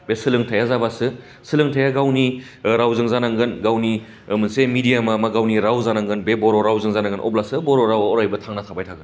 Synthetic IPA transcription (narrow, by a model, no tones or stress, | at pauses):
besɯlɯŋtʰajazabasɯ | sɯlɯŋtʰajaɡawni | ɾawzɯŋzanaŋɡɯnɡawni | mɯnsemidijamamaɡawniɾawzanaŋɡɯnbebɔɾoɾawzɯŋzanaŋɡɯnʔɔ̰blasɯbɔɾoɾawɾajbɐtʰaŋnatʰabajtʰaɡɯn